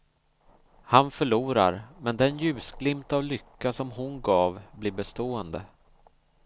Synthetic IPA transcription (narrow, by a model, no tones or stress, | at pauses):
hanfœɭuːɾa̰ɾmɛnd̪ɛnjʉ̟ːsɡlɪmt̪avlʏkːasɔmɦʊnɡɑːvbliːɾbɛst̪oːənd̪ə̰